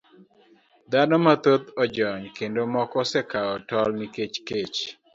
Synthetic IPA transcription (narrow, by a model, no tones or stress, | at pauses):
d̪anɔmat̪ot̪ɔd͡ʒɔɲkendomɔkɔsɛkaɔtɔlniket͡ʃket͡ʃ